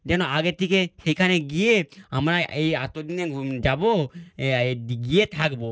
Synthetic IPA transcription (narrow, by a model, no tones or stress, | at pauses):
dɛnɔaɡɛt̪ikɛsɛjkʰanɛɡijeamɾaɛjat̪ɔd̪inɛŋumd͡ʒabɔɛadiɡiet̪haɡbɔ